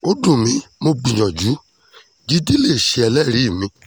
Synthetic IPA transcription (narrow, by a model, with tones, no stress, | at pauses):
o˦dũ˦˨mĩ˧mo˧ɡ͡bĩ˨j̃ɔ̃˨d͡ʒu˨˦ | d͡ʒi˦di˦le˦˨ʃe˧ɛ˧lɛ˦˨ɾi˨˦˨mĩ˧˦